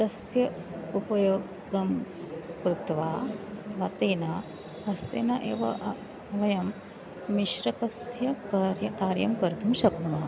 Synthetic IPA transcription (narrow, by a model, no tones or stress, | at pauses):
t̪ɐsjɐ | upɐjoː | ɡɐmkɾut̪ʋaːɐt̪ʰʋaːt̪eːnaː | ɐst̪ḛːnɐʔeːʋɐ̰ʔ | ɐʋɐjɐm | miʃɾɐkɐsjɐkːɾjɐkaːɾjɐmkɐɾt̪umʃɐknumaː